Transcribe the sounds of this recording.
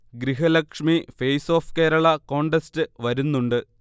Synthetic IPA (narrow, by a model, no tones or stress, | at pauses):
ɡɾiɦɐlɐkʂmifejso̞ːfkeːɾɐɭɐko̞ːɳɖestɨʋɐɾunːuɳɖɨ